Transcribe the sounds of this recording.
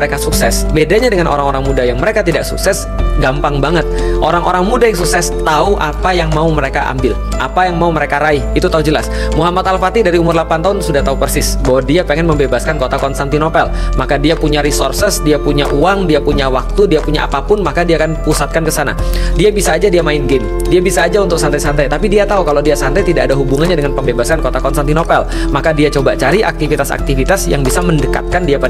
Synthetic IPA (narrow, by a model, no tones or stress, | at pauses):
ɾekasuksɛsbedaɲadəŋanʔo̰ɾaŋoɾaŋmudajaŋməɾekat̪idaksṵksɛs | ɡampaŋbaŋət̪̚ʔoɾaŋʔoɾaŋmudajaŋs̬uksɛst̪auʔa̰pajaŋmauməɾekaʔa̰mbɪl | ʔa̰pajaŋmauməɾekaɾaihit̪ut̪aud͡ʒəla̰s | muɦamat̪alfat̪idaɾiumʊrlapant̪aɦʊnsudaht̪aupərsɪsbawadiapeŋɛnməmbebaskankot̪akɔnst̪ant̪inokalmakadiapuɲaɾisɔrsəsdiapuɲaʔuaŋdiapuɲawak̚t̪udiapuɲaʔa̰papʊnmakadiaːkanpusat̪̚kankəsana̰diabisaːd͡ʒadiamaɪnɡɪm | diabisaːd͡ʒaunt̪ʊk̚sant̪ajsant̪ajt̪apidiat̪aukalodiasant̪ajt̪idaʔːdaɦubuŋanɲadəŋanpəmbebaskankot̪akɔnst̪ant̪inopɛl | makadiat͡ʃobat͡ʃaɾiʔa̰k̚t̪ifit̪asa̰k̚t̪ifit̪asjaŋbisaməndəka̰t̪̚kandiapa